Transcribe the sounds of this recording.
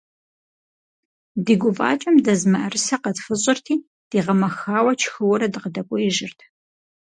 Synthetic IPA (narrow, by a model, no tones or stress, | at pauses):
diːɡʷʊpʼa̰ːt͡ʃʼɐmdɐzmɐʔɐrɨsɐqɐtfɨɕʼɪrtʰiː | d̥iːʁɐmɐxaːwɐt͡ʃʰxɨwʊɾɐdɨqədɐkʷʼɔɪʒɪrtʰ